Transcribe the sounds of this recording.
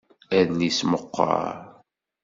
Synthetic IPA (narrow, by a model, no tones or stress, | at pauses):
æðnisməqːɑ̰